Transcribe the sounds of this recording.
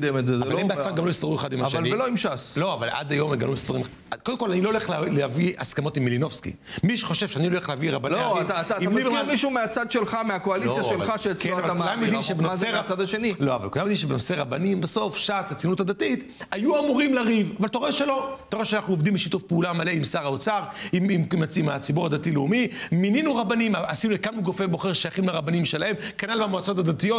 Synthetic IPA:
d̪emetzezaaebeasaɡamlo̞jist̪aʁueχad̪imaaʃealnieloimʃaslo̞avalʔa̰d̪ajo̞meɡalumistaʁim | kod̪emkolanilo̞leχlleavia̰skamo̞t̪imːilino̞fskḭ | miʃeχo̞ʃe̞vʃeaniloleχleaviʁabanlioaiaːt̪atiamikimiʃumeat͡sad̪ʃelχameakoalisaelχaʃeet͡skenavaaaamjod̪imʃebenomseat͡sad̪aʃenilo̞a̰va̰lkulamjd̪imʃebeno̞se̞ʁabanimbeso̞fʃasat͡sinutad̪atit̪ | ajuamuʁimlaʁivavaltaʁoeʃelo̞t̪aʁoeʃeanaχnuovd̪imbeʃit̪ufpeulamale̞imsaʁaot͡saʁiimmat͡simat͡siboʁad̪atileumimininuʁabanimaasinulekalmuɡofebo̞χeʁʃajaχimlaʁabanimʃe̞laemkanalbamoat͡sot̪̬ad̪at̪ijot

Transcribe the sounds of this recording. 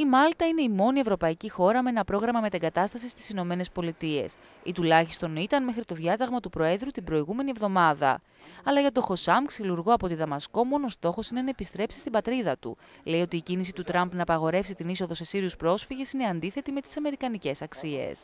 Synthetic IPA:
imɐlt̪ɐine̞imo̞nie̞vɾo̞pɐicixo̞ɾɐmee̞nɐpɾo̞ɣɾɐmɐme̞t̪eŋɡɐt̪ɐst̪ɐsist̪i̥sino̞me̞ne̞spo̞lit̪ie̞̰s | it̪ulɐçist̪o̞nit̪ɐnme̞xɾit̪o̞ðʝɐt̪ɐɣmɐt̪upɾo̞e̞ðɾut̪ibɾo̞iɣume̞nie̞vðo̞mɐðɐ̰ | ɐlɐʝɐt̪o̞xo̞sɐmksiluɾɣo̞ɐpo̞t̪iðɐmɐsko̞mo̞no̞st̪o̞xo̞sine̞nɐe̞pist̪ɾe̞psist̪ibɐt̪ɾiðɐt̪ṵ | le̞io̞t̪iːcinis̬it̪ut̪ɾɐmpnɐːpɐɣo̞ɾe̞fsit̪iniso̞ðo̞se̞siɾiuspɾo̞sfiʝe̞sine̞ɐnd̪iθe̞t̪ime̞t̪i̥sɐme̞ɾikɐnice̞sɐksie̞̰s

